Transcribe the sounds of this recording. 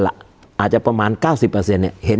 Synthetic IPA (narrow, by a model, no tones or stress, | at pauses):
la̰ʔ | at͡ʃapəmankasipasiana̰hen